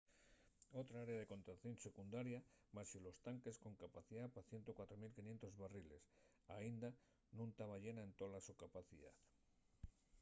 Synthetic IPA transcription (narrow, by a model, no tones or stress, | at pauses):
owt̪ɾaaɾeaðeko̞nt̪ɾaθjõnsekund̪aɾjamasilost̪aŋkesko̞ŋkapaθiðapaθjent̪okwat̪ɾomilkiɲent̪ozβariles | a̰ind̪a | nũnt̪aβaʎenaent̪olasukapaθiða̰ð